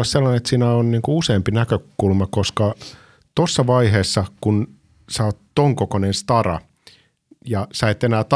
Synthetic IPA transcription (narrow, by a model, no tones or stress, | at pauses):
ɑsselːɑnenet̪siːnæonniːŋkuuseːmpinækøkulmɑkoskɑ | t̪osːɑʋɑiɦeːsːɑkun | sæot̪t̪oŋkokonenst̪ɑrɑ̰ | jɑsæet̪enæːt̪